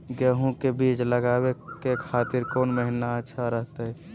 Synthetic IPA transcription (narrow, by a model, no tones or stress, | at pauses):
ɡəɦũkebiːt͡ʃləɡaːwekekʰaːt̪ɪɾkoːnməɦinaətːʃʰaɾəɦt̪eɦɛ